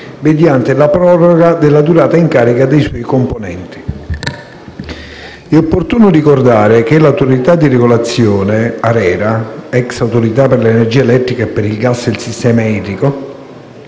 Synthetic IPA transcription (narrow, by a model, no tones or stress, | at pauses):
med̪jant̪elapɾɔːroɡad̪elːad̪uɾaːt̪aiŋkaːɾikad̪ejswɔjkomponɛ̰nt̪i̥ | ɛopːort̪uːnʊrikord̪aːɾek̟elawt̪oɾit̪ad̪ːireɡolat̪sːjɔːneaɾɛːɾaɛksawt̪oɾit̪apːerleenerd͡ʒiːaelɛt̪ːɾikaepːeɾilɡasd̪elsist̪ɛːmaiːt̪ɾiko